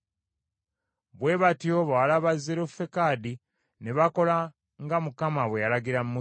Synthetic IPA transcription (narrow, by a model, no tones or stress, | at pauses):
βwe̞βatioβalaβazːeɾofe̞kadi | ne̞βako̞la | ŋɡamukamaβwejalaɡiɾammu